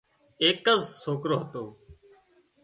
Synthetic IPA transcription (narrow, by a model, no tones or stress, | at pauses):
eːkəzsoːkɾoːɦət̪oː